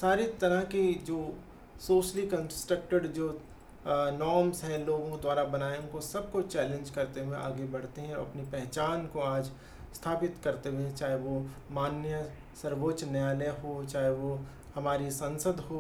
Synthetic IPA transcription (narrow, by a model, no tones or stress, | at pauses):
saːɾit̪ɐɾəɦkid͡ʒoː | soːʃəlikɐ̃nsʈɾək̚ʈəɖd͡ʒoː | nɔːɾmsɦɛ̃loːɡõked̪waːɾabɐnaːeʊ̃kosɐb̚kot͡ʃɛːlẽnd͡ʒkɐɾt̪ewẽʔa̰ːɡebɐɽ̤t̪eɦɛ̃ɔɾɐ̰pnipɛɦt͡ʃaːnkoaːd͡ʒ | st̪ʰaːpɪt̪kɐɾt̪ewẽt͡ʃaːɦeʋomaːnjə | sɐɾʋoːt͡ʃneaːleɦot͡ʃaːɦeʋo | hɐmaːɾisɐ̃nsəd̪ʱɦoː